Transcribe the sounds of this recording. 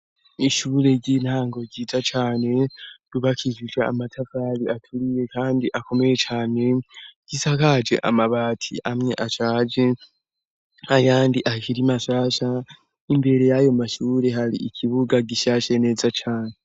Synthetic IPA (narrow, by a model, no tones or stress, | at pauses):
iʃuːɾe̞ɟin̥haːŋɡo̞ɟiːzat͡ʃaːne̞ɾuβakʰiʒid͡ʒea̰matʰavaɾiatʰuɾije̞kaːndiʔako̞me̞je̞t͡ʃaːne̞ɟ̥isakad͡ʒe̞̰ʔa̰maβaːtʰḭʔamŋe̞ʔat͡ʃaːd͡ʒe̞ | ajaːndiʔakiɾimaʃaːʃa | imbe̞ɾe̞jajo̞maʃuːɾe̞ɦaɾiʔikʰiβuɡaɡiʃaːʃene̞ːzat͡ʃaːne